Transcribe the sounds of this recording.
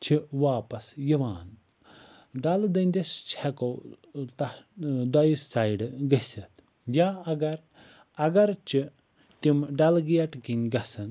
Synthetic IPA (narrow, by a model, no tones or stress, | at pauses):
t͡ʃʰiʋaːpɐsjiʋaːn | ɖɐld̪ɐnʲd̪ʲest͡ʃʰɛkot̪ɐd̪ɐjisːaːjɖɡɐsɐt̪ | jaːɐɡɐɾ | ɐɡɐɾt͡ʃʰi | t̪imɖɐlɡijɐʈkinʲɡɐsɐn